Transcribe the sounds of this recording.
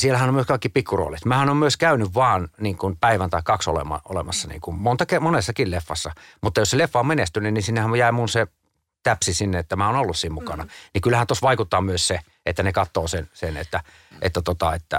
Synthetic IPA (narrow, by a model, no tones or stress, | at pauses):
sielæhænomyøskɑˑikːipikːuro̰ːlit̪mæːhænomyøskæynyʋʋɑːnniːŋkunpæiʋænt̪ɑikkɑkso̰lḛmɑ̰o̰lemɑsːɑnḭːŋkummont̪ɑkemonesːɑkillefːɑsːɑmut̪ːɑjosselefːɑommenest̪ynːynninsinːehæmjæˑimunse | t̪æpsisinːeet̪ːæmæonolːussiːmmukɑnɑnikylːæhænt̪osʋɑikut̪ːɑːmyøsse | et̪ːænekɑt̪ːˑoːsensenḛt̪ːæ | ʔḛt̪ːæt̪ot̪ɑet̪ːæ̰